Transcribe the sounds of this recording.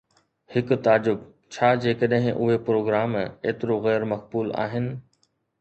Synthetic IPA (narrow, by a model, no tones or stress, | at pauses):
hɪk̆t̪aːd͡ʑʊb | t͡ɕʰaːd͡ʑeːkɐɗɦɪ̃ʔʊɦepɾoːɡɾaːmeːt̪ɪɾoɣɛːɾmɐk̚buːla̰ːɦɪnɪ̆